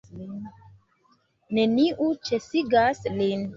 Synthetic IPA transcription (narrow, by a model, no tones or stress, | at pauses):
ne̞niʔut͡ʃesiɡaslin